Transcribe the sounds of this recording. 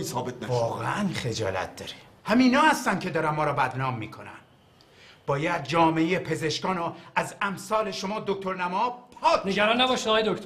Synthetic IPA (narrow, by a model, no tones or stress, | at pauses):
isɒːbet̪̚ʰnæɒːɣḛʔænχe̞d͡ʒɒ̰ːlæ̰t̪̚ʰd̪ɒːɾe̥ | hæmiːnɒːhæst̪æncʰe̞d̪ɒːɾæmːɒːɾɒːbæd̪nɒːmːḭːkʰo̞næ̰n | b̥ɒːjæd̪̚d͡ʒɒːmeejepʰeze̞ʃkɒːnɔæzæmsɒːle̞ʃo̞mɒːd̪ok̚t̪ʰo̞ɾnæmɒːpʰɒːkʰneɡæɾɒːnːæbɒːʃid̪ɒːjed̪okt̪